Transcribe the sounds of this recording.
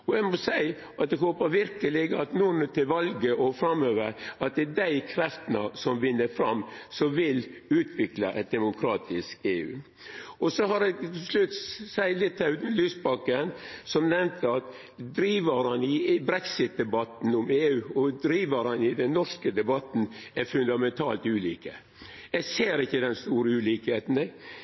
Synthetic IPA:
ɔɛɡmɔsæɪ | ʔɑt̪̚d̪ɛhoːpəʋɪɾkəlɪɡəɑt̪nunt̪ʰɪlʋɑlɡəʔɔfɾɑmøːʋə̰ɾɑt̪̚d̪ɛd̪æɪkʰɾɛft̪ənɑ̰sɔmʋɪnːəfɾɑmːsɔʋɪlʉːt̪ʰʋɪklɑʔɛt̪̚d̪ɛmʊkʰɾɑːt̪ʰɪskeːʉ̰ː | ɔsɔɦɑɾɛɡt̪t̪ʰɪslʉt̪sæɪlɪt̪ʰːɛlyːsbɑkːənsɔmnɛmt̪ʰəɑt̪ | d̪ɾiːʋəɾhɑnɪbɾɛksɪt̪̚d̪ɛbɑt̪n̩ʊmeːʉːɔd̪ɾiːʋəɾhɑnɪd̪ɛnːɔʂkəd̪ɛbɑt̪n̩æɾfʉnd̪ɑmɛnt̪ʰɑːlt̪ʉːliːkə | jɛseːɾɪçːəd̪ɛnst̪uːɾəʉːliːkheːt̪n̩ɛ

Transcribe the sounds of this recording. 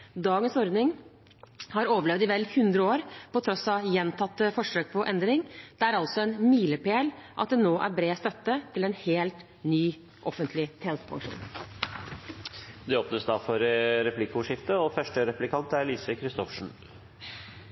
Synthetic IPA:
d̪ɑːɡənsɔɾd̪nɪŋ | hɑɾoːʋəɭɛʋd̪ɪʋɛlːhʉnd̪ɾəoːɾpɔt̪ʰɾɔsɑjɛnt̪ʰɑt̪ːəfɔʂøːk̚pʰɔʔɛnd̪ɾɪŋd̪̥ɛæɾɑlt̪sɔɛnmiːləpeːlʔɑt̪̚d̪ɛnoːʔæ̰ɾbɾeːst̪œt̪ːət̪ʰɪlɛnheːlt̪ | nyː | ʔɔfənt̪ʰlɪt̪ʰɛːnst̪pʰɑ̰ŋʂṵːn | d̪ɛoːpnəsd̪ɑːfɔɾɾɛplɪkːəʊːʂɪft̪əɔfœʂʈəɾɛplɪkʰɑnt̪əæɾliːsəkʰɾɪst̪ɔfʂɳ̩

